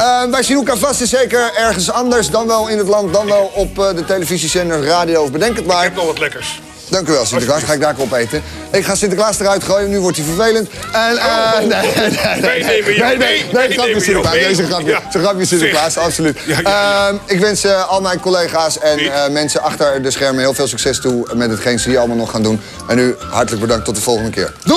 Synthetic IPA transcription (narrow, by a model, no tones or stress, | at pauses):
əʋɛjsinukafastəsejkəɹɛɹχənsɑndəɹsdɑnʋɛlˠɪnətlɑnt̚dɑnʋɛlˠɔpdətejləvizisɛndəraːdijowɔfbədɛŋkətmaɹtlɛkə | d̥ɑŋkyʋɛlˠsɪ̃ntəklaːsχaːɪɡdaːɹkɹɔpejtə | ɪkχaːsɪntəklaːstərœɥtχroːjənːyʋɔɹtjəfəɹvejlənt | n | enenejnejnejχrɑpjəsɪtəkaːnejsəχɑpjəsəχrɑpjəsɪtəklaːstɑpsolytəɪkʋɛnsəɑlˠmɛjnkolejχaːsɛnəmɛnsəʔɑχtəɹdəsχɛɹməɦɪːlˠfɪːlˠsyksɛstumɛtɦətχejnsəiːɹɑlˠəmalˠnɔχːaːndun | ʔɛnyɦɑɹtələɡ̚bədɑŋktːɔt̚dəv̥ɔlˠχəndəkɪ̰ːɹ